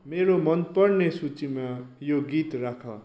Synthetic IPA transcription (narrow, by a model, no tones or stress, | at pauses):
meɾomʌnpʌɽnesut͡simajoɡit̪rakʰʌ̰